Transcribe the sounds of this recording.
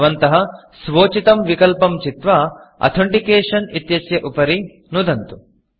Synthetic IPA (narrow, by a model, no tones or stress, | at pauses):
ʋɐnt̪ɐɦɐ | sʋoːt͡ʃit̪ɐmʋikɐlpɐmt͡ʃit̪ʋɐɐ̰t̪ʰoɳʈikeːʂɐnit̪jɐsjɐʔupɐɾi | nud̪ɐnt̪u